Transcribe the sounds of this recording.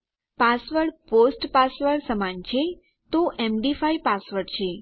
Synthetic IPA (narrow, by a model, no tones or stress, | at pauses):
pasʋəʈposʈpasʋəɾɽsəmant͡ʃʰe | t̪oʔemɖifajpasʋəɾʈt͡ʃʰe